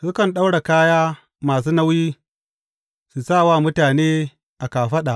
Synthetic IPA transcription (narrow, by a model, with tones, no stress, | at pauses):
sʊ˦kɐ˨nɗa˦wɽa˨kaː˦jaː˦ | maː˨s̬uː˦na˦wjiː˦ | su˨saː˦˨waː˦˨mʊ˦taː˨neː˦ | ʔa˨kaː˨ɸɐ˦ɗa˨ʔ